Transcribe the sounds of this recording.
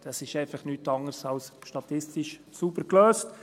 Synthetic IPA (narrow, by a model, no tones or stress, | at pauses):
d̥ɑsɪʃɛɪfɑχnyːtɑŋəɾsɑwsʃtɑt̪ɪstɪʃsubəkløːst